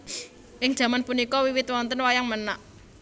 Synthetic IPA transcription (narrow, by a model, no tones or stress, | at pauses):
ʔɪŋd̥ʒ̥ä̤manpunikɔwiwɪt̪̚wɔnt̪ənwajaŋmənaʔ